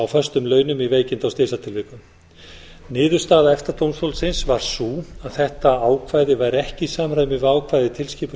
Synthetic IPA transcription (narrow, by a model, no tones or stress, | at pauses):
awfœ̥st̪ʏmlœːɥnʏmiveːjcɪnt̪awst̪ɪːsat̪ʰɪlvɪːkʏm | nɪːðʏ̥st̪aːðaɛft̪aɾt̪ʰownst̪owlsɪnsvaɾ̥suːaðθɛht̪aaːwkʰvaːjðɪvajɾɛhcɪsaːmɾajmɪvaːwkʰvaːjðɪt̪ʰɪlsciːp